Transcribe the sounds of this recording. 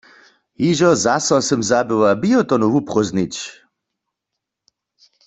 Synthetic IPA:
ɦiʒɔzasɔsɨmzabɪwabiɔt̪ɔnuvupχɔznit͡ʃ

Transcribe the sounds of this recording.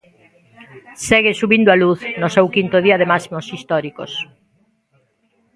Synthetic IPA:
sɛɣɪsuβind̪oaluθnosewkint̪oð̞iɐðemasimosist̪ɔɾiko̰s

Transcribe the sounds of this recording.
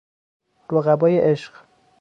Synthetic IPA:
ɾoɣæbɒːjeʔeʃɢ

